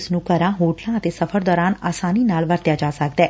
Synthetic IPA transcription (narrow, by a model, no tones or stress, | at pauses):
snũːkəɾãɦoːʈlãət̪eːsɐfʰəɾd̪ɔːɾaːnaːsaːninaːlʋəɾt̪jad͡ʒaːsəkd̪ɛː